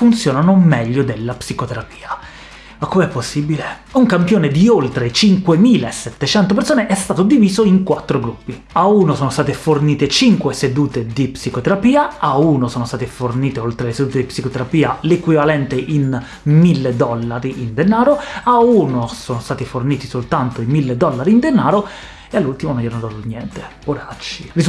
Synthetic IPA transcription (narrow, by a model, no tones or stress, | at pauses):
funt̪sjoːnanomɛʎːod̪elːapsikot̪eɾapi̥ːa | akːomɛpːosːibile | uŋkampjoːned̪iolt̪ɾet͡ʃiŋkwemiːlaesːɛt̪ːet͡ʃɛnt̪op̬eɾrsoːneʔɛst̪aːt̪od̪iviːzoiŋkwat̪ːɾoɡɾupːi | auːnosoːnost̪aːt̪eforniːt̪et͡ʃiŋkwesed̪uːt̪ed̪ipsikot̪eɾapiːaauːnosoːnost̪aːt̪eforniːt̪eolt̪ɾelesed̪uːt̪ed̪ipsikot̪eɾapiːalekwivalɛnt̪eʔin | milːed̪ɔlːaɾiʔind̪enaːɾoaunosoːnost̪aːt̪iforniːt̪isolt̪ant̪oimilːed̪ɔlːaɾiind̪enːaːɾo | ealːult̪imononjanad̪anjɛnt̪epoɾat͡ʃːi̥ri